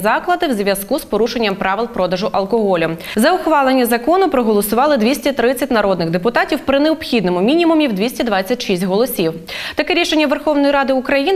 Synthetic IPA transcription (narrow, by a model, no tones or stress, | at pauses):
zɑklˠɐd̪ɪwzʋʲjɐskuspɔɾuʃenʲːɐmpɾɑʋɪlˠpɾɔd̪ɐʒʊʔɐlˠkɔɦɔlʲʊmzɐʊxʋɑlˠenʲːɐzɐkɔnʊpɾɔɦɔlˠɔsʊʋɑlˠɪd̪ʋʲisʲtʲɐt̪ɾɪt͡st͡sʲːɐtʲnɐɾɔd̪nɪɣd̪epʊt̪ɑtʲiwpɾɪneɔpxʲid̪nɔmʊmʲinʲimʊmʲiwd̪ʋʲisʲtʲɐd̪ʋɑt͡sʲːɐtʲʃisʲtʲɦɔlˠɔsʲiw | t̪ɐkɛɾʲiʃenʲːɐʋerxɔwnɔjiɾɑd̪ɪʊkɾɐjin